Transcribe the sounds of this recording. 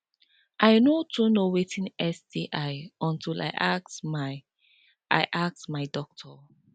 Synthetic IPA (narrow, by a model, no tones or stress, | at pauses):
ʔaɪnotʰunowetĩnɛsdiʔaɪɔ̃ntʰila̰ɪʔak̚sma | ʔa̰ɪʔak̚smaɪdɔk̚tʰɔ